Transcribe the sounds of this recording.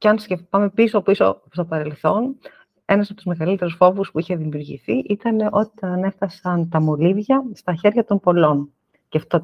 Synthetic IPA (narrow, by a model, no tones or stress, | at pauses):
ceɐnsceft̪ɐme̞piso̞piso̞̰st̪o̞pɐɾe̞lθo̞n | e̞nɐsɐpot̪uzme̞ɣɐlit̪e̞ɾusfo̞vuspuiçe̞ðimiuɾʝḭθiʔit̪ɐneʔo̞t̪iɐne̞fθɐsɐnt̪ɐmo̞livʝɐst̪ɐçe̞ɾʝɐt̪o̞mpo̞lo̞n | ceft̪o